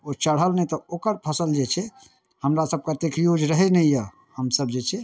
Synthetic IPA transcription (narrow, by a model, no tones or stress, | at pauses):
ot͡ʃəɽ̤əlnɛt̪ɔokəɾpʰəsəld͡ʒet͡ʃʰɛ | həmɾasəb̚kət̪ekjod͡ʒɾəɦenəijə | həmsəb̚d͡ʒet͡ʃʰɛ